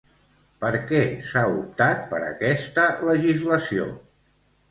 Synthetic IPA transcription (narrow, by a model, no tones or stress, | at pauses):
pəɾkɛsaup̚t̪at̪̚pəɾə̰kɛst̪ələʒizləsio̰